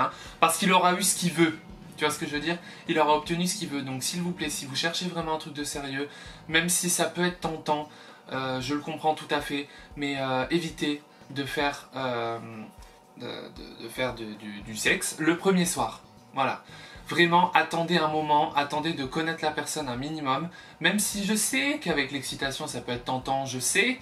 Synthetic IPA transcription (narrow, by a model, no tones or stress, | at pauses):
ɛ̃paʁsə̥kilɔʁaysə̥kʲivø | t̪yvwasə̥kəʒəvød̪iːʁ | ilɔʁaɔp̚t̪ənysə̥kʲivød̪ɔ̃ksilvuplɛsivuʃɛʁʃevʁɛmɑ̃ɛ̃t̪χyk̚d̪əseʁjømɛmsisapøɛt̪χt̪ɑ̃t̪ɑ̃ | øʒələkɔ̃pχɑ̃t̪ut̪afɛmɛøevit̪e | d̪əfɛʁøm | d̪ə̰d̪ə̰d̪əfɛʁd̪əd̪yd̪ysɛksləpχəmjeswaːʁ | vwala̰vʁɛmɑ̃ʔat̪ɑ̃d̪eɛ̃mɔmɑ̃ʔat̪ɑ̃d̪ed̪əkɔnɛt̪χlapɛʁsɔnɛ̃minimɔmː | ɛmsiʒəsɛkavɛklɛksit̪asjɔ̃sapøɛt̪χt̪ɑ̃t̪ɑ̃ʒəsɛ